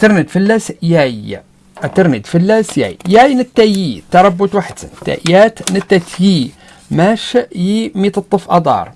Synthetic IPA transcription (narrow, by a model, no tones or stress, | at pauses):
t̪əɾˤnət̪fəlːæsjæj | ʔæt̪ːəɾˤnət̪fəlːæsjæ̰jjæjnət̪ːæjit̪ːɑɾˤɑbːʊt̪waħd̪sət̪ːæ̰ʔjæt̪nət̪ːæt̪ji | mæʃjimit̪ət̪ˤːəfʔɑd̪ˤɑ̰ːɾˤ